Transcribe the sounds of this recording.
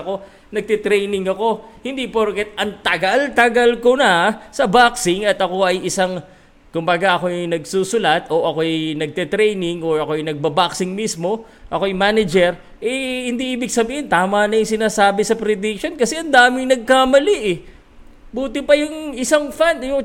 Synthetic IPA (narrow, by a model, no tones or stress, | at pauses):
ko̞ | nɐɡ̚t̪ɛt̪ɾɛjnɪŋɐko̞hɪnd̪ipoɾkɛt̪̚ʔɐŋt̪ɐɡalt̪ɐɡɐlkonɐsɐbaksɪŋɐt̪ʔɐko̞ɐjɪsaŋ | kʊmbaɡaʔɐko̞jjŋnɐɡ̚susʊlat̪ʔo̞ʔɐko̞jnɐɡ̚t̪ɛt̪ɾɛjnɪŋoɹɐkoɐjnɐɡ̚bɐbaksɪŋmismo̞ | ʔɐko̞jmanɐd͡ʒɛɾ | ʔɛhɪnd̪iʔiːbɪɡ̚sɐbiːhɪnt̪aːmɐnɐjʊŋsɪnaːsaːbɪsɐpɾɪd̪ɪk̚ʃonkɐsɛʔɐnd̪aːmɪŋnɐɡ̚kamɐliʔɛ | buːt̪ɪpɐjʊŋɪsaŋfand̪jʊŋ